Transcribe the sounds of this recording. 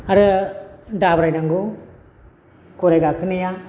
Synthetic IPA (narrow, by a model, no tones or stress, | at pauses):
aɾɯ | dabɾajdaŋɡu | kuɾajɡakʰɯnija